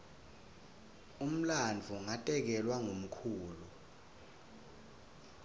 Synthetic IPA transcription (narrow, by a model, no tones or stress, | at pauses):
um̩land͡vʱuŋatʼɛk̬ɛlwaŋom̩kʰuːlu